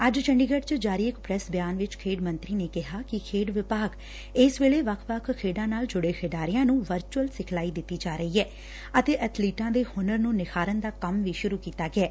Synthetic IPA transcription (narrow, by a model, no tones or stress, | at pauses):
əd͡ʒt͡ʃəɳɖiːɡəɖt͡ʃd͡ʒaːɾiːɪkpɾɛsbjaːnʋɪt͡ʃkʰeːɖmə̃nt̪ɾiːneːkɪɦaːkɪkʰeːɖʋɪpaːɡ | ɪsʋeːleːʋəkʰʋəkʰkʰːeːɖãːnaːld͡ʒʊɽeːkʰeːɖaːɾijãːnũːʋəɾt͡ʃuəlsɪkʰlaːiːd̪ɪt̪ːiːd͡ʒaːɾəɦiːɦɛː | ət̪eːʔət̪ʰliːʈãːd̪eːhʊnəɾnũːnɪkʰaːɾənd̪aːkəmʋiːʃʊɾuːkiːt̪aːɡɪɛː